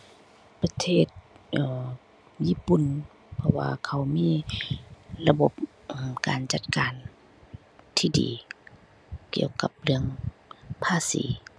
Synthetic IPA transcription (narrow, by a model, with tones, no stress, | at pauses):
pa˧t̪ʰeː˧˩t̪̚ʔɤː˧˩ | jiː˧˥˨pu˨n | pʰɔ˧wa̰ː˧kʰa˧˩wmiː˧˥˨ | la˧bo˧˦p̚ | ʔmkaː˨nt͡ɕa˧˦t̪̚kaː˨n | t̪ʰiː˧˩dḭː˨˦ | ki˧˩əwka˧˦p̚lɯ˧əŋpʰaː˧sḭː˨˦